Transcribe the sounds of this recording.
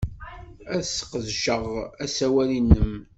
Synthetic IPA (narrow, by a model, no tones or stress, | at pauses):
æðsːqəzʃəʁæsæwælinːəm